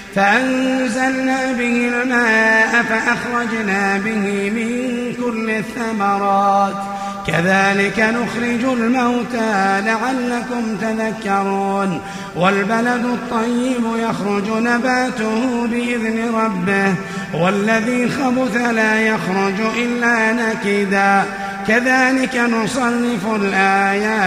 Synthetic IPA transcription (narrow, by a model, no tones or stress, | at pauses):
faʔanzalnaːbɪhɪlmaːʔafaʔɑxɾˤɑd͡ʒnaːbɪɦɪmɪŋ | kʊlːɪθːamɑɾˤɑːt̪ | kaðaːlɪkanʊxɾɪd͡ʒʊlmawt̪aːlaʕalːakʊmt̪aðakːɑɾˤuːn | walbalad̪ʊt̪ˤːɑjːɪbjaxɾʊd͡ʒnabaːt̪ʊhʊbɪʔɪðnɪɾˤɑbːɪh | walːaðiːxɑbʊθalaːjaxɾʊd͡ʒʔɪlːaːnakɪd̪aː | kaðaːlɪkanʊsˤɑnːɪfʊlʔaːjaː